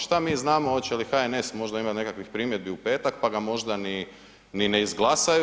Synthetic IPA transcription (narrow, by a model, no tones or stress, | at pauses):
ʃt̪amiːznaːmoot̪t͡ɕelixaene̞smo̞ʒd̪aimat̪ne̞kakʋixpɾiːmjed̪̚biupe̞ːt̪akpaɡamo̞ʒd̪ani | nineizɡlˠasaju